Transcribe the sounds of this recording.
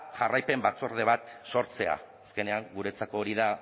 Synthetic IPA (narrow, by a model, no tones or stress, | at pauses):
ʝarajpe̞mbat͡so̞ɾð̞e̞β̞at̪so̞ɾt͡se̞a̰ːske̞ne̞aŋɡuɾe̞t͡sako̞ːɾiða